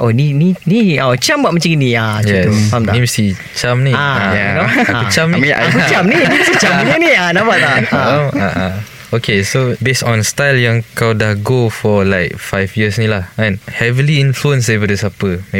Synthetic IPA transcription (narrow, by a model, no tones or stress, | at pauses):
ʔonininiat͡ʃambaʔ̚mə̃t͡ʃiɡənĩajɛamdanĩmust̪i | t͡ʃamnĩaaaaut͡ʃamnĩiakut͡ʃamnĩimit̪it͡ʃamɲənianabaaaaaʔa | okesobesɔ̃nst̪ajljãŋkawdahɡofɔlaɪk̚fajfjisnĩlahɛ̃nhɛvəliĩnfluə̃ns̬defədəsapəme